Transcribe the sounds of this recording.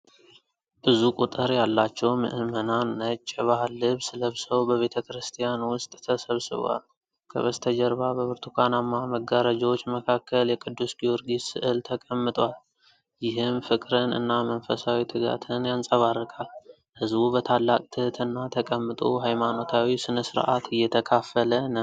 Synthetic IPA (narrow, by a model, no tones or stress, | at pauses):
bɨzukʼut̪ʼɨɾjalːat͡ʃːɛwmɨ̰ʔɨmənanːət͡ʃʼːɛβahlːɨβsɨləβsəwbəβe̞t̪ʰəkɾɨst̪ʰijanwʊst̪ʼt̪ʰəsəβsɨ̰β̰wa̰l | kʰə̰βəst̪ʰəd͡ʒəɾbabəbɨɾt̪ʰukʰanamːaməɡːaɾad͡ʒwot͡ʃːməkʰakːəljɛkʼɨd̪ːusɡio̞ɾɡisɨʔɨlt̪ʰəkʼəmːɨt̪ʼwal | jɪɦɨmfɨkʼɾɨnɨ̰nːamənfəsawit̪ʰɨɡa̰t̪ʰɨnjansʼəβarːɨkʼal | hɨzbubət̪ʰalːakʼt̪ʰɨhɨt̪ʰɨnːat̪ʰəkʼəmːɨt̪ʼoɦajmano̞t̪ʰawisɨnəsɨɾʔa̰t̪ʰɨjːɛt̪ʰəkʰafːələnə